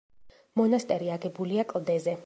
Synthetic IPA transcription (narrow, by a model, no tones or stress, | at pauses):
mɔnast̪ʼɛɾiaɡɛbuliakʼlˠd̪ɛzɛ